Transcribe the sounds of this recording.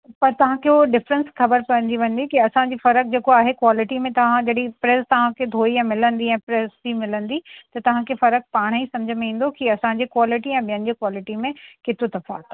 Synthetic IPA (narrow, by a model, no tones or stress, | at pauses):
pɐɾt̪ɐʋ̤ãkeoɖɪfɾə̃nsxɐbəɾkɐə̃nd̪iʋɐ̃n̆d̪ikiɐsãɲd͡ʑiːfɐɾək̚d͡ʑeːkoaːɦekwaːlɪʈimẽt̪ɐʋ̤ãd͡ʑɐɗipɾeːst̪ɐʋ̤ãkʰed̪ʱoːiɛ̃ːmɪlə̃nd̪iɛ̃ːpɾɛːsimɪlə̃nd̪it̪ɐt̪ɐʋ̤ãkʰefɐɾək̚paːɽ̃isɐ̃md͡ʑʱəmĩːn̆d̪okiɐsãɲd͡ʑeːkwaːlɪʈiɛ̃ːɓijə̃nɪ̆d͡ʑeːkwaːlɪʈimẽkɪt̪od̪ɐfa̰